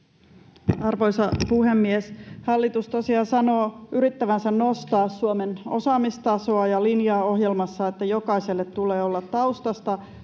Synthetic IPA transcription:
ɑrʋo̞jsɑpuhe̞mːieshɑlːit̪ust̪osiɑsɑno̞ːʔyɾit̪ːæʋænsænno̞st̪ɑːsːuome̞no̞̰sɑːmist̪ɑso̞ɑjɑlinjɑːo̞ɦje̞lmɑsːɑet̪ːæjo̞kɑiselːet̪t̪ːuleːo̞lːɑt̪tɑust̪ɑst̪ɑ

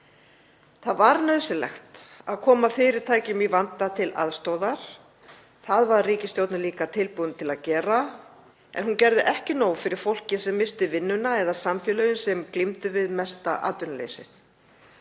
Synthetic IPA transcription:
θaðvaɾnœðsɪlɛ̰xt̪aðkʰɔːmafɪɾɪɾ̥t̪ʰaːjcʏmivant̪at̪ʰɪlʔa̰ðst̪owðaɾ̥ | θaðvaɾriːcɪst̪jowt̪naliːkat̪ʰɪlpuːðʏnt̪ʰɪlaðcɛːɾa | ɛ̰nhuncɛɾðɪʔɛhcɪnoːwfɪɾɪɾ̥fowl̥cɪsɛmːɪst̪ɪvɪnːʏnaɛðasamfjɛlœjʏnsɛmklimt̪ʏvɪðmɛst̪aʔa̰ːt̪ʏnalḛjsɪ̰θ

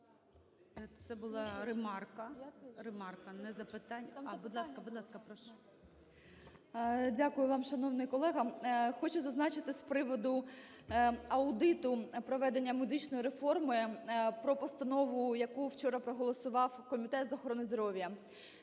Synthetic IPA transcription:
t̪sɛbʊlˠɑɾɪmɑrkɐrɪmɑrkɐnɛzɐpɪt̪ɑnʲɐbud̪lˠɑskɐbʊd̪lˠɑskɐpɾɔʃ | dʲakʊjʊʋɑmʃɐnɔwnɪjkɔlˠɛɦɐxɔt͡ʃʊzɐznɑt͡ʃɪt̪ɪsʲpɾɪʋɔd̪ʊ | ɐʊd̪ɪt̪ʊpɾɔʋɛd̪enʲːɐmʊd̪ɪt͡ʃnɔjɾefɔrmɔpɾɔpɔst̪ɐnɔʋʊjɐkuwt͡ʃɔɾɐpɾɔɦɔlˠɔsʊʋɑwkɔmʲit̪ɛt̪zɐxɔɾɔnɪzd̪ɔɾɔʋʲjɐ

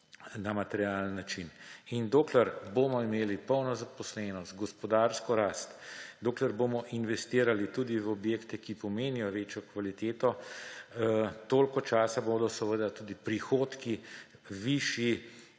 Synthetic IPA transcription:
namat̪ɛɾiaːlənːat͡ʃinind̪oːklɛɾboːmɔimeːlipəwnɔzapɔslɛnɔst̪ɡɔspɔd̪aːɾskɔɾaːst̪d̪oːklɛɾboːmɔʔinʋɛst̪iːɾalit̪uːd̪iʋɔbjeːkt̪ɛkipɔmeːnijɔʋeːt͡ʃjɔkʋalit̪eːt̪ɔ | t̪oːlkɔt͡ʃaːsaboːd̪ɔsɛʋəd̪at̪uːd̪ipɾixoːt̪ki | ʋiːʃji

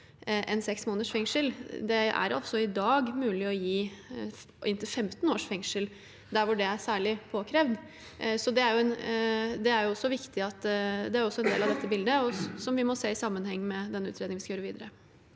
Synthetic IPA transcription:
ʔɛ̰nsɛksmoːnəʂfɛŋʂəld̪ɛæ̰ɾɔ̰sɔɪd̪ɑːɡmʉːlɪɔjiː | ʔɪnt̪ɪlfɛmt̪noːʂfɛŋʂəl | d̪æɾʋʊɖɛæɾsæːɭɪpʰoːkʰɾeːʋd̪ | sɔd̪ɛæɾjʊɛnd̪ɛæɾjʊɔsːɔʋɪkt̪ɪɑt̪d̪ɛæɾjʊɔsːɔɛnd̪ḛːlɑʋd̪ɛt̪ːəbɪld̪əɔsɔmʋɪmɔseːɪsɑmːənhɛŋːmɛd̪ɛnːəʉ̰ːt̪ɾed̪ɪŋʋɪskɑjøːɾəʋiːd̪əɾə

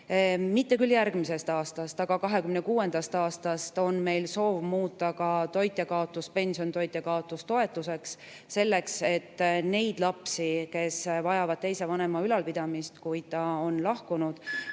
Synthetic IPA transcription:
mit̪ːe̞kyljæɾɡ̥mise̞st̪ɑːst̪ɑst̪ɑɡ̥ɑkɑɦe̞kymnekuːe̞nd̪̥ɑst̪ɑːst̪ɑst̪o̞nme̞jlso̞ːvmuːt̪ˑːɑkɑt̪o̞jt̪ʲːˑekɑo̞t̪ːˑuspe̞nsio̞nt̪o̞jt̪ʲˑːekɑo̞t̪ːˑust̪o̞e̞t̪ˑːuse̞ksː | e̞lːe̞kse̞t̪ːˑne̞jd̪̥lɑpsike̞svɑjɑvɑd̥̪̚t̪e̞jse̞vɑne̞mɑylɑlpid̪̥ɑmist̪kujd̪̥̚t̪ɑo̞nlɑhkunud̪̥

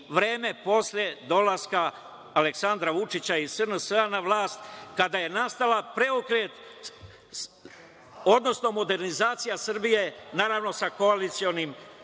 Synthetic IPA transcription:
ʋɾe̞ːme̞po̞slʲje̞d̪o̞laskaː | leksand̪ɾaʋut͡ʃit͡ɕaisənəsəanaʋlaːst̪kad̪aje̞nast̪alapɾe̞okɾet̪ | o̞d̪no̞sno̞mo̞d̪e̞ɾnizaːt̪sijasrbije̞naːɾaʋno̞sako̞alit̪sio̞nim

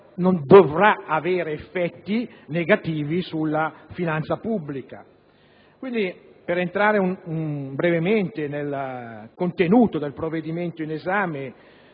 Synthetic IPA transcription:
nond̪ovɾaaveːɾeefːɛt̪ːineɡat̪iːvisulːafinant̪sapubːlika̰ | kwind̪ipeɾent̪ɾaːɾeunumbɾevement̪enelkont̪enuːt̪od̪elpɾovːed̪iment̪oinezaːme

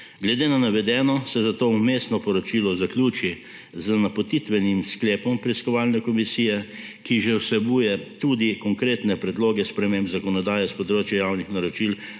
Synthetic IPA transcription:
ɡlɛd̪eːnanaʋɛd̪ɛːnɔsɛzat̪oːumeːsnɔpɔɾɔt͡ʃiːlɔzakljuːt͡ʃi | zənapot̪it̪ʋɛnimsklɛːpɔmpɾiskɔʋaːlnɛkɔmisiːjɛkiʒɛwsɛbuːjɛt̪ud̪ikɔŋkɾeːt̪nɛpɾɛd̪loːɡɛspɾɛmẽːmbzakɔnɔd̪aːjɛspɔd̪ɾoːt͡ʃjɛjawnixnaɾɔt͡ʃil

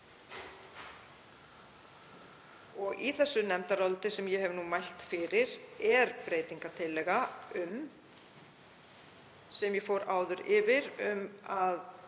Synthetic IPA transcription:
ɔɣiθɛsːʏnɛmt̪aɾɔlt̪ɪsɛmjɛɦɛvnumajl̥t̪fɪɾɪɾ̥ɛɾpɾeːjt̪iŋkat̪ʰɪlːɛɣaʏm | sɛmjɛfowɾaːwðʏɾɪvɪɾʏmað

